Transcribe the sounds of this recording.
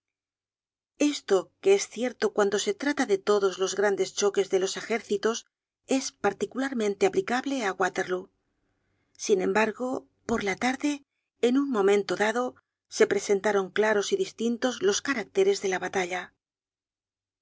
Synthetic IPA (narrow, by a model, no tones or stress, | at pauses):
e̞st̪o̞keesθje̞ɾt̪o̞kwand̪o̞se̞t̪ɾat̪aðe̞t̪o̞ðo̞zlo̞zɣɾand̪e̞st͡ʃo̞ke̞zðe̞lo̞se̞xe̞ɾθit̪o̞s | e̞spaɾt̪ikulaɾmẽnt̪eaplikaβle̞aɣwat̪e̞ɾlu | sinẽ̞mbaɾɣo̞ | po̞ɾlat̪aɾðe̞ː | nuŋmõ̞mẽnt̪o̞ðaðo̞ | se̞pɾe̞se̞nt̪aɾo̞ŋklaɾo̞siðist̪int̪o̞zlo̞skaɾak̚t̪e̞ɾe̞zðe̞laβat̪aʎa